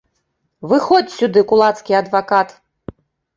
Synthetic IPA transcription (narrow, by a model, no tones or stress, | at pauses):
vɨxɔt͡sʲsʲud̪ɨkulˠat̪skʲiɐd̪vakat̪